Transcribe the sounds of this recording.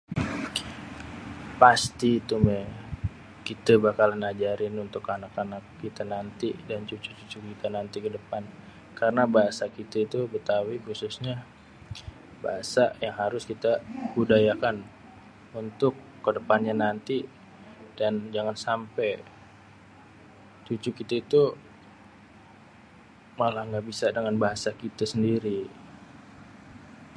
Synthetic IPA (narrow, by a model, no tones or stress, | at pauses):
past̪iːt̪umɛ | kit̪abakalnad͡ʒaɾɪnunt̪ʊkanakanakːit̪anant̪idant͡ʃut͡ʃut͡ʃut͡ʃukit̪anant̪ikədəpan | kaɾənabaɦasakit̪ait̪ubət̪awikususɲa | baɦasajaŋɦaɾʊskit̪abudajakan | unt̪ʊkːədəpanɲanant̪i | dand͡ʒaŋansampɛj | t͡ʃut͡ʃʊkit̪ait̪u | malahŋɡaʔbisadəŋanbaɦasakit̪asəndiɾi